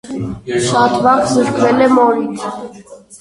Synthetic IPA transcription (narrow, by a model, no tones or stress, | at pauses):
ʃɑt̪ʰvɑχsəɾkʰvɛlɛmɔɾin